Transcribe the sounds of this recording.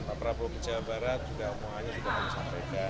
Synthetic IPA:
papɾabokət͡ʃabaɾat̪̚d͡ʒuɡaumuŋaɲasudamamusampajkan

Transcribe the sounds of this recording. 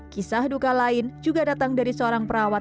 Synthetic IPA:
kisahdukalaɪnd͡ʒuɡadat̪aŋdaɾisəoɾaŋpəɾawa

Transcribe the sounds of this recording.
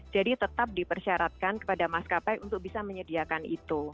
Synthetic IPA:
d͡ʒadit̪ət̪ap̚dipərsiaɾat̪̚kankə̥padamaskapajʔunt̪ʊk̚bisaməɲədiakanit̪u

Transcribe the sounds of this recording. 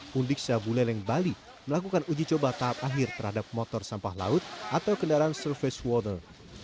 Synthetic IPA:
undik̚sabulɛlɛŋbali | məlakukanud͡ʒit͡ʃobat̪aɦap̚aɦɪrt̪ərhadap̚mɔt̪ɔrsampahla̰ʊt̪̚ʔat̪awkəndaɾaansərfɪswɔt̪ə̰r

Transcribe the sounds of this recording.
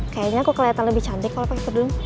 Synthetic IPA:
kajaɲaːkukəlajat̪anləbɪht͡ʃamd̪ɪkːalopaket̪ərdʊŋ

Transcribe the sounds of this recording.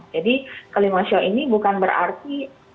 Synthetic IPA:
d͡ʒadikəlimaʃɔʔinibukanbəɾa̰rt̪i

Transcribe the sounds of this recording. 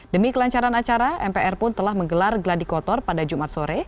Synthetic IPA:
dəmikəlaɲt͡ʃaɾanat͡ʃaɾaʔɛmpeʔɛrpʊnt̪əlahməŋɡəlarɡəladikɔt̪ɔrpadad͡ʒumat̪̚soɾɛ

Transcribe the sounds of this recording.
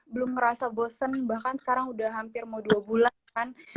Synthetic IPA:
bəlʊmŋəɾasabosənbahkansə̥kaɾaŋudaɦampɪrmaduabulankan

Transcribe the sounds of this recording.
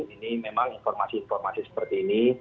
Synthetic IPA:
ŋinimemaŋinfɔrmasiːnfɔrmasisə̥pərt̪iːni

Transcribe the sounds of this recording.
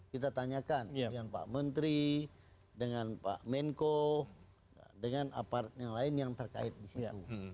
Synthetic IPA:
kit̪at̪aɲakandəŋanpa̰mənt̪ɾi | dəŋanpa̰ʔmɛŋko | a̰dəŋana̰paɾat̪̚jaŋlaɪnjaŋt̪ərka̰ɪt̪̚disiu

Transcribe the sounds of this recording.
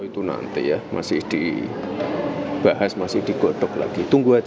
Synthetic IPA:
it̪una̰nt̪ḭjahmʔa̰sɪhd̥i | b̥aɦasmasɪhd̥iɡoʈ̪ʊkla̰ɡ̥it̪uŋɡua

